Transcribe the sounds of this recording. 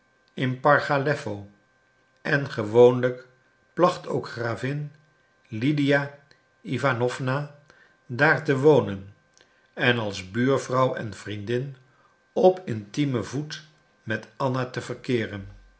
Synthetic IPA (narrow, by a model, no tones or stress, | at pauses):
ɪnpɑɹχalɛfow | ʔɛnχəʋownlək | plɑχto̰wkχraːvɪn | lidija | ivanɔvna | daːɹtəʋownən | ɛnɑlˠzbyːɹvrɑwɛ̰nv̥rindɪn | ɔpʰɪntiməvut | mɛtɑnatəvəɹkɪːrən